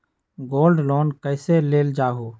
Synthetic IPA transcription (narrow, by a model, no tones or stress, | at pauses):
ɡoːlɖlɔːnkəɪseleːld͡ʒaːɦoː